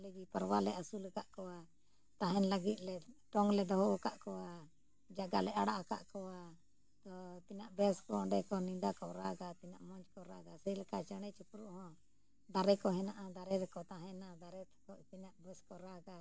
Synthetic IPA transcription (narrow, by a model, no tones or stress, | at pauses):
lid͡ʒipəɾwalɛʔasulɛkaʔkɔa | t̪aɦɛnləɡit̪̚ˀlɛʈɔŋlɛd̪ɔɦɔakaʔkɔa | d͡ʒaɡalɛʔaɽaʔaka̰ʔkɔa | t̪ɔt̪inaʔbɛskɔɔɳɖɛkɔniɖakɔɾaɡat̪ina̰ʔmɔ̃ɲd͡ʒkɔɾaɡasɛjlɛkaʔt͡ʃaɽ̃ɛt͡ʃupɾuʔhɔ̃ | d̪aɾɛkɔɦɛnaʔad̪aɾɛɾɛkɔt̪aɦɛ̃nad̪aɾɛt̪ʰkɔt̪inaʔbɛskɔɾaɡa